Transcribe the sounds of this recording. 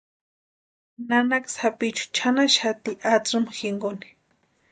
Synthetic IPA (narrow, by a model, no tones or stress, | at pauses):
nanaksapɪt͡ʃʊ̥t͡ʃʰanaʃat̪iʔat͡sʊmxɪŋɡʊnɪ̥